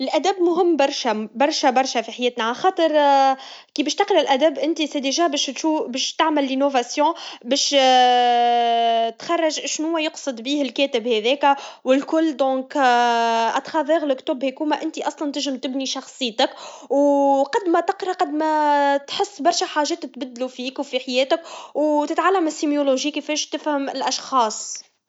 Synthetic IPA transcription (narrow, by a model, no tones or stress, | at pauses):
ʔɪlʔæd̪æbmʊɦɪmːbɑɾˤʃæbɑɾˤʃæbɑɾˤʃæfiħajeːt̪naʕalxɑːt̪ˤəɾˤ | kiːbɛːʃt̪ɑqlɪlʔæd̪æbʔɪnt̪isæd̪iʒæːbɛːʃuːbɛːʃt̪aʕmɪlːinovasjɔ̃bɛːʃ | t̪xɑrˤːɑʒʃnʊwːæjʊqsˤɨd̪biːhɪlkɛːt̪ɪbhæðɛːkæwɪlkʊlːd̪ɔ̃ːk | ʔɑt̪xɑðˤəɣlɪkt̪uːbhækuːmæʔɪnt̪iʔɑsˤlɑnt̪ɪʒɪmt̪ɪbniʃɑxsˤɨjːt̪akwqɑd̪mæt̪ɪqɾˤɑqɑd̪mæt̪ħɪsːbɑɾˤʃæħaːʒɛːt̪̚t̪bɪd̪ːlufiːkwfiħajɛːt̪ɪkwt̪ɪt̪ʕalːæmɪsimjoloʒiːkefɛːʃt̪ɪfhɪmɪlʔɑʃxɑːsˤ